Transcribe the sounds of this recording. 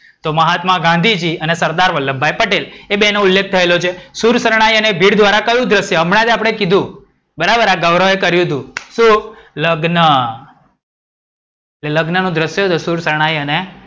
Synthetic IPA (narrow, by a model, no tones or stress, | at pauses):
t̪oməɦat̪mãɡãnd̪ʱid͡ʒiənesəɾd̪aɾʋəlːəmbʱːajpəʈelebenoʊlːek̚t̪ʰəelot͡ʃʰesuɾsəɾɽ̃ajənebʱiɽd̪ʋaɾakəjũd̪ɾəsjəəmɽ̃ãd̪eapɽ̃ekid̪ʱũ | bəɾabəɾaɡəʋɾəʋekəɾjũd̪ũʃũləɡnə | eeləɡnənũd̪ɾəsjəɦt̪osuɾsəɾɽ̃ajəne